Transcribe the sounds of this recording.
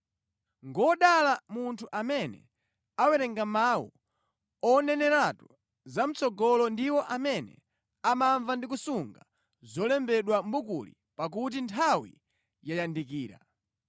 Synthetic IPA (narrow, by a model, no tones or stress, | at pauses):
ŋɡɔɗalamuntʰuʔamɛnɛ̰ | awɛɾɛŋɡamawṵ | ɔnɛnɛɾatu | zam̩t͡sɔɡɔlɔndiwɔʔamɛnɛ̰ | amaɱvandik̬usuŋɡa | zɔlɛmbɛɗwambukṵlḭ | pak̬ut̬intʰawḭ | jajandik̬iːɾa̰